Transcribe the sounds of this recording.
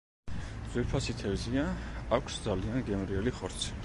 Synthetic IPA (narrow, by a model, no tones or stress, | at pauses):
zʼwiɾpʰasit̪ʰɛvziaakʷʰsd̪zalianɡɛmɾiɛliχɔɾt̪sʰi̥